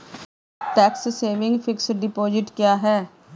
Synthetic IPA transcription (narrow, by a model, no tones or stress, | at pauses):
ʈɛːksːeːʋɪ̃ŋɡfʰɪksɖɪpoːd͡ʒɪʈkjaːɦɛː